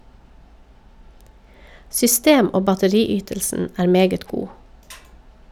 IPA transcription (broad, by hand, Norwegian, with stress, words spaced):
sʏˈsteːm ˈoː bɑtəˈɾiːˌyːtəlsn̩ ˈæːɾ ˈmeːɡət ˈɡuː